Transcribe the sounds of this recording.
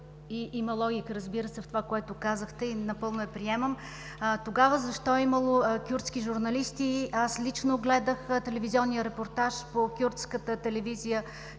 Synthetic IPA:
iʔiməlˠɔɡʲikəɾəzbiɾəsɛft̪ovakoɛt̪ʊkazəxt̪ɛinɐpɤlˠnoɛpɾiɛməm | t̪oɡavəzɐʃt̪ɔɛiməlˠokʲuɾt̪skʲiʒuɾnɐlist̪iaslit͡ʃnoɡlɛd̪əxt̪ɛlɛvizʲiɔnːijəɾɛpoɾt̪aʃpokʲuɾt̪skət̪ət̪ɛlɛvizijə

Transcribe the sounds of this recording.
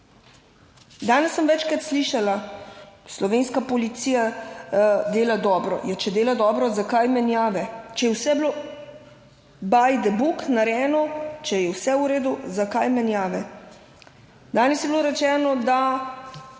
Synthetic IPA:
d̪aːnɛsːəmʋɛt͡ʃkɾat̪sliʃala | slɔʋeːnskapɔlit̪siːja | d̪eːlad̪ɔːbɾɔ̰jat͡ʃɛd̪eːlad̪ɔːbɾɔzakajmɛnjaːʋɛt͡ʃɛjɛwsɛbloː | bajd̪ɛbuknaɾɛːnɔt͡ʃɛjɛwsɛuɾeːd̪uzakajmɛnjaːʋɛ | d̪aːnɛsjɛbiloɾɛt͡ʃɛːnɔd̪a

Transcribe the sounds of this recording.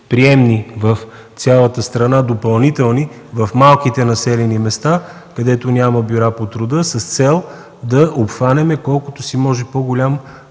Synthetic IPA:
pɾiɛmnivəf | t̪sʲjalˠət̪əst̪ɾɐnad̪opɐlˠnit̪ɛlˠni | vəfmalˠkit̪ɛnɐsɛlɛnimɛst̪a | kɐd̪ɛt̪onʲaməbʲuɾapot̪ɾʊd̪ɤsəst̪sɛlˠ | d̪ɐʔopxvanɛmɛkɔlˠkʊt̪osimɔʒɛpoɡolʲam

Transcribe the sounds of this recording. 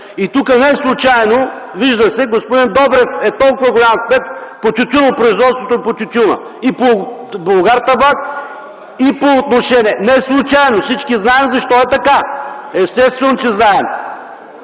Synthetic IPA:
it̪ukənɛslˠut͡ʃajno | viʒd̪əsɛɡospod̪ind̪ɔbɾɛfɛt̪ɔlˠkʊvɐɡolʲamspɛspot̪ʲʊt̪ʲunopɾoizvɔt̪st̪vot̪oɛpot̪ʲut̪ʲunɐ̰ | ipo | blˠoɡaɾt̪ɐbat̪̚ | ipoːt̪noʃɛniɛnɛslˠut͡ʃajnosit͡ʃkiznaɛmzɐʃt̪ɔɛt̪ɐkaɛst̪ɛst̪vɛnot͡ʃɛznaɛm

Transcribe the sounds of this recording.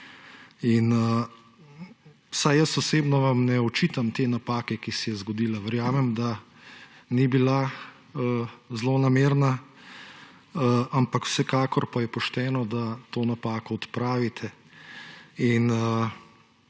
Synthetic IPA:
inə | wsajjəsɔseːbnɔʋamnɛɔt͡ʃiːt̪amt̪eːnapaːkɛkisɛjɛzɡɔd̪iːlaʋɛɾjaːmɛmd̪a | nibila | əzlonameːɾna | ampakw̥sɛkaːkɔɾpajɛpɔʃt̪ɛːnɔd̪at̪oːnapaːkɔːt̪pɾaːʋit̪ʰɛ | inə

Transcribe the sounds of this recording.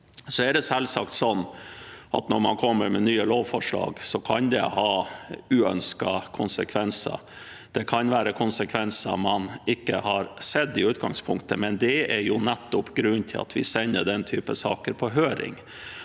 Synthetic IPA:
sɔɛɖɛsɛlsɑkt̪sɔnːʔɑt̪nɔɾmɑnkʰɔmːəɾmɛnyːəloːʋfɔʂɭɑ̰ːɡsɔkʰɑnd̪ɛ̰hɑːʉːœ̰nskɑkʰʊnsəkʰʋɛnsə̰ | d̪̥ɛkʰɑnʋæːɾəkʰʊnsəkʰʋɛnsɑ̰mɑnɪkːəhɑɾsɛd̪ːɪʉːt̪̚ɡɑŋspʰʊŋkt̪əmɛnd̪ɛɛɾjʊnæt̪ːʊpɡɾʉnːt̪ʰɪlɑ̰t̪ʰʋɪsɛnːəɖ̪ɛnt̪ʰyːpəsɑːkəɾpʰɔɦøːɾɪ̰ŋ

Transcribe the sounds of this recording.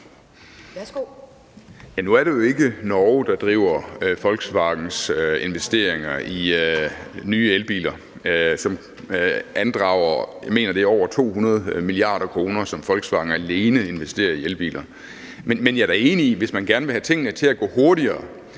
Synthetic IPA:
o | jænuæɐɾejo̝e̝ɡ̥ənɒʊd̥ɑ̈d̥ʁḭʊ̰ɐfɒ̽lɡ̥sʋɑ̈ɡ̥n̩søe̝nʋesd̥e̝̰ɐ̰eŋɐʔi | nyːelb̥ḭːlɐ | sɒ̽m | ʔænd̥ʁɑ̈ʊ̰ɐjɑme̝̰ːnɐɾ̥e̝ɒʊ̰ɐt͡sʰo̝̰ːhunɐð̞̩ˠmiliɑ̰̈ːɾ̥ɐkʰʁo̝ːnɐsɒ̽mfɒ̽lɡ̥sʋɑ̈ːɡ̥ŋ̩æle̝ːnəe̝nʋesd̥e̝̰ːɐielb̥ḭːlʔɐ | menmenjæɾ̥æe̝ːniiʋe̝smænɡ̥æɐnʋe̝hæt͡sʰe̝ŋ̰ənət͡sʰe̝æɡ̥ɔ̰̽ːho̝ɐɾiɐː

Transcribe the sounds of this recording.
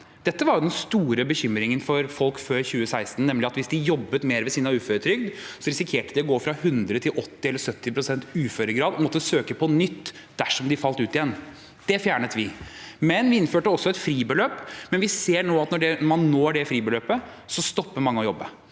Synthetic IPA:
d̪̥ɛt̪ːəʋɑɾjʊd̪ɛnst̪uːɾəbəçʏmɾɪŋənfɔɾfɔlkføːɾçʉːəsæɪst̪n̩nːɛmlɪɑt̪ʋɪsd̪ɪjɔbːət̪meːɾʋɛsiːnəʉːføɾət̪ʰɾʏɡ̚d̪sɔɾɪsɪkʰeːʈəd̪ɪɔɡoːfɾɑhʉnd̪ɾət̪ʰɪlʔɔt̪ːɪɛlːəɾsœt̪ːɪpʰɾʊsɛnt̪ʉːføɾəɡɾɑːd̪ɔmɔt̪ːəsøːkəpʰɔnʏt̪ː | d̪̥æʂɔmd̪ɪfɑlt̪ʉːt̪ɪjɛnː | d̪̥ɛfjæːɳət̪ʋɪmɛnʋɪɪnføːʈəɔsːɔɛt̪fɾiːbəløːpːmɛnʋɪseːɳoːɑt̪nɔɖɛmɑnːoːɖɛfɾiːbəløːpə | sɔst̪ɔpːəmɑŋːəɔjɔbːə̰

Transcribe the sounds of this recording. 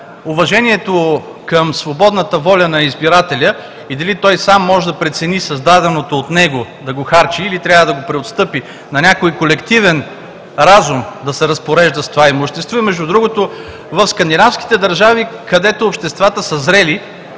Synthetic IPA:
ʊvɐʒɛnʲiɛt̪o | kəmsvobɔd̪nət̪əvɔlʲənɐizbiɾat̪ɛlʲə | id̪ɐlit̪ɔjsamːɔʒɛd̪ɐpɾɛt̪sɛnisɐzd̪ad̪ɛnot̪oːt̪nɛɡod̪ɐɡoxaɾt͡ʃiːlit̪ɾʲavəd̪ɐɡopɾɛot̪st̪ɤpi | nɐnʲakojkolɛkt̪ivɛn | ɾazumd̪ɐsɛɾɐspoɾɛʒd̪əst̪ovaimʊʃt̪ɛst̪voimɛʒd̪ud̪ɾuɡot̪o | vɐfskɐnd̪inafsk̟i̥t̪ɛd̪ɐɾʒavikɐd̪ɛt̪oːpʃt̪ɛst̪vat̪əsəzɾɛli

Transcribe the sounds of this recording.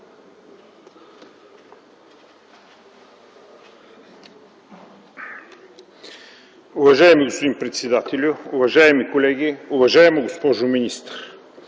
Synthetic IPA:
ʊvɐʒaɛmiɡospod̪inpɾɛt̪sɛd̪at̪ɛlʲʊʊvɐʒaɛmikolɛɡ̟iʊvɐʒaɛmoɡospɔʒʊminist̪əɾ

